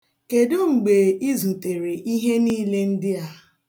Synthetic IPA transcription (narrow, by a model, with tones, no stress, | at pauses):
ke˨do˦ŋ͡m̩˨ɡ͡be˨i˦zũ˨te˨ɾe˨ʔi˦ɦe˦niː˦le˦n̩˦dɪ˦a˦